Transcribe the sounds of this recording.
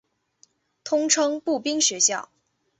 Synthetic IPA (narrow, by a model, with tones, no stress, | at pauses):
t̪ʰʊ˥ŋʈ͡ʂʰɤ˥ŋpu˥˩pi˥ŋɕɥɛ˧˥ɕjɑ˥˩ʊ